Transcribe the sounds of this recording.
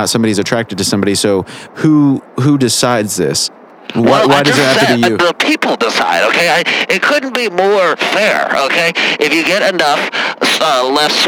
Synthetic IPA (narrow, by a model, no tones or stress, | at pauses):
ətsʌ̃mbɑɾizɨtʰɹ̥æk̚tɨd̚tɨsʌ̃mbɑɾisoʊhuɦudɨsaɪdzðɪ̰s | wʌwwʌɾɨzɨhæ̃ɨjʉðəpʰipl̩ˠdɪsa̰ɪɾoʊkʰeɪaɪɨt̚kʰʊdⁿn̩b̥imɔɹfɛɹo̰ʊkʰeɪʔɨfjɨɡɛɾɨnʌfʌlɛs